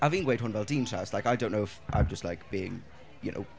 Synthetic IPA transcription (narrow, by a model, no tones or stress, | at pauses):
avɪ̃ŋweɪt̚wʌ̃nvɛlˠdĩntʰɹ̥a̰slaɪkaɪdõʊ̃nːoʊɪfʔa̰ɪ̃md͡ʒʌstˡlaɪkb̥iɪ̰̃ŋ | jɨ̰no̰ʊ